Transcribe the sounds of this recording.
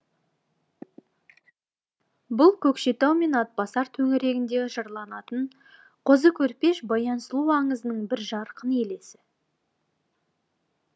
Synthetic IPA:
bʊlˠkʲʰɵkʃe̞t̪æwme̞nɑt̪̚bɑsɑɾt̪ʰɵŋɪɾe̞ɡʲɪnd̪e̞ʒɑɾlˠɑnɑt̪əɴ | qʰozəkʲʰɵɾpe̞ʃbɑjɑnsəlˠuwɑɴəzənəɴbɪɾʒɑɾqəne̞le̞sɪ

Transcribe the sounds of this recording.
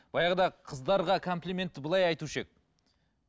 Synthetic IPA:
b̥ɑjɑʁd̪ɑqʰəzd̪ɑɾʁɑkʰo̞mplʲimʲe̞nt̪ːɪbəlˠɑjɑjt̪uʃek̚

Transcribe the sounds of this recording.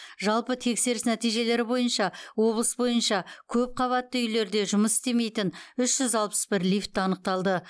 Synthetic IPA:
ʒɑlˠpət̪ʰe̞kse̞ɾɪsnæt̪ijʒe̞le̞ɾɪbo̞jənʃɑwo̞blˠəsbo̞jənʃɑkʲʰɵp̚qʰɑβɑt̪ːəʏjle̞ɾd̪e̞ʒʊməsɪ̥st̪e̞me̞jt̪ɪnʏʃʒ̥ʏzɑlˠpə̥sbɪɾlʲift̪ːɑnəq̚t̪ɑlˠd̪ə

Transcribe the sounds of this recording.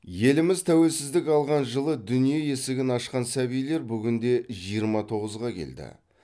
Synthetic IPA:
je̞lɪmɪzt̪ʰæwe̞lsɪzd̪ɪkʲɑlˠʁɑnʒəlˠəd̪ʏnije̞je̞sɪɡʲɪnɑʃqɑnsæβijle̞ɾbʏɡʲɪnd̪e̞ʒijəɾmɑt̪ʰo̞ʁəzʁɑkʲʰe̞̰ld̪ɪ̰

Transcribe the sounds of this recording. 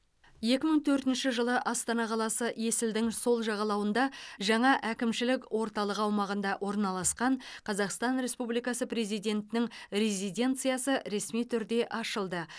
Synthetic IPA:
je̞kʲɪməɴt̪ʰɵɾt̪ɪnʃɪʒəlˠəʔɑst̪ɑnɑqʰɑlˠɑsəje̞sɪld̪ɪŋso̞lˠʒɑʁɑlˠɑwənd̪ɑʒɑɴɑʔækʲɪmʃɪlɪkʲwʔo̞ɾt̪ɑlˠəqɑwmɑʁənd̪ɑʔwʔo̞ɾnɑlˠɑsqɑɴqʰɑzɑqst̪ɑnɾe̞spublijkɑsəpre̞zijd̪ʲe̞nt̪ɪnɪŋɾe̞zijd̪ʲe̞nt̪sɨjɑsəɾe̞smijt̪ʰʏɾd̪e̞ʔɑʃəlˠd̪ə

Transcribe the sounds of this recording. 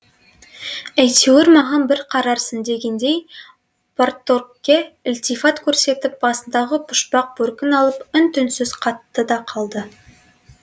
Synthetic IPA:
æjt̪ʰeweɾmɑʁɑnbɪɾqʰɑɾɑɾsənd̪e̞ɡʲe̞nd̪e̞j | port̪okkʲːeɪlt̪ifat̪kʲʰɵɾse̞t̪ɪp̚b̥ɑsənd̪ɑʁəpʰʊ̥ʃpɑq̚bɵɾkʲɪnɑlˠəpʏnt̪ʰʏnsɪzqʰɑt̪ːəd̪ɑqʰɑlˠd̪ə

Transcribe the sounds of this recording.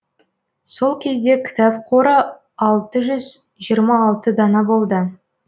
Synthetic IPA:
so̞lˠkʲʰe̞zd̪e̞kʲʰɪ̥t̪ɑpqʰo̞ɾə | ɑlˠt̪əʒʏz | ʒijəɾmɑːlˠt̪əd̪ɑnɑbo̞lˠd̪ə

